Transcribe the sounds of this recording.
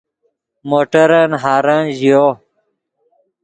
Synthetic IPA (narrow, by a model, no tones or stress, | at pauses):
moːʈəɾənɦaːɾãnʑijo